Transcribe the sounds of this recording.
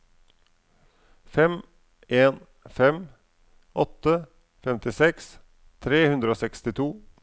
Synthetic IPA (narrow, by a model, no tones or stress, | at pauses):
fɛm | eːn | fɛm | ʔɔt̪ə | fɛmt̪ɪsɛks | t̪ʰɾeːhʉnd̪ɾəoːsɛkst̪ɪt̪ʰuː